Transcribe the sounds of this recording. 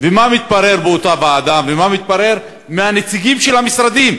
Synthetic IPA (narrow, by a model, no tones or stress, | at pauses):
vemamit̪̚paʁe̞ʁbeot̪abaːd̪amvemamit̪̚paʁe̞ʁ | meanet͡siɡimʃe̞lhamisʁad̪im